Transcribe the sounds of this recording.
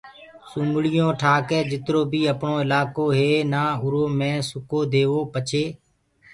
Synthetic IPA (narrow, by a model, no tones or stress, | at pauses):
sũmɡɭɪjõːʈʰaːkeːd͡ʒɪt̪ɾoːbʱiːəpɳõːɪlaːkoːɦeːnaːʊɾoːmẽːsʊkoːd̪eːʋoːpət͡ʃʰeː